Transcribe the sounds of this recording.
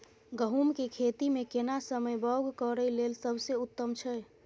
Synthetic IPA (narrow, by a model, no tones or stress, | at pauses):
ɡəɦumkekʰet̪imekenasəməjbəɡkɔɾəilelsəbʱseut̪ːəmt͡ʃʰɛ